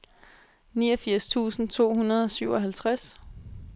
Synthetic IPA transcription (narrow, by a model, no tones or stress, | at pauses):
niːɒ̽fiɐ̰st͡sʰṵːsn̩t͡sʰo̝̰ːhunɐðˠɒ̽syʊ̰ɒ̽ɦælt͡sʰʁas